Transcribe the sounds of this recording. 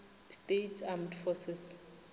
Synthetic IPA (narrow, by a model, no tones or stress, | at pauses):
stetʰamdfɔsɛs